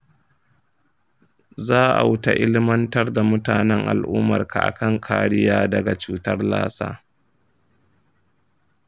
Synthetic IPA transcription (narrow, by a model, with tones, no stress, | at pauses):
zaː˦ʔa̰˨wʊ˦ta̰˨ʔɪ˦lɪ˦mɐ˦ntɐ˦rda˨mʊ˦taː˨nɛ˦ŋʔa̰˨lʔuː˦mɐ̰˨rka̰˨ʔa̰˨kɐ˦˨ŋkʰaː˨ɽɪ˦jaː˦dɐ˨ɡa˨t͡ʃuː˦tɐ˦rla̰ː˦sa̰ː˦